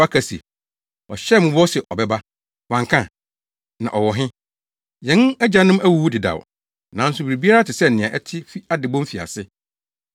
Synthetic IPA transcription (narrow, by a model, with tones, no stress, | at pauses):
a˦kʰa˨sḭ˨ | ɔ˨ɕɛ˦˨mʊ̃˦bɔ˦sɛ˨ʔɔ˨bɛ˦ba˦ | wã˨ŋkʰã˦ | nã̰˨ʔɔ˨wɔ˨ɦɪ̃˦ | jɛ̃˨n˦ɛ˦d͡ʑa˨nʊ̃˦mæ˦wu˨wu˦dɪ˨da̰˨w̰ | nã˨n̩˦sʊ˨bɾi˨bi˦a˦ɾa˦tɪ˨sɛ˦n̩˨nɪ̃˨ã˨ʔɛ˦tʰɪ˦fi˦a˦dɪ˨bɔ̃˦m˦fi˨a̰˨sɪ˦